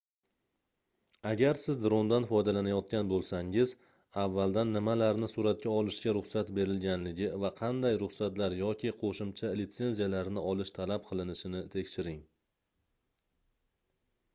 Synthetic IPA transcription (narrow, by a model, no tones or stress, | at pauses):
aɡʲaɾsɪzd̪ɾond̪anfɒjd̪alanajɒt̪̚kʲanbolˠsaŋɪz | avːalˠd̪anːɪmalaɾnɪsʊɾat̪̚kʲaɒlˠɪʃɡʲaɾʊχsat̪be̞ɾɪlɡʲanlɪɡʲɪvaqʰɑnd̪ajɾʊχsat̪laɾjɒkʲʰɪqʰoʃɪmt͡ʃʰalit̪se̞nzijalaɾnɪɒlˠɪʃt̪ʰalap̚qʰɨlˠɪnɪʃɪnɪt̪ʰe̞kʲʃɪɾɪŋ